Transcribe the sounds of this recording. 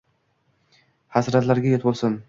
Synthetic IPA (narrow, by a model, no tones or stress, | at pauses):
hasɾat̪laɾɡʲajet̪bolˠsʊn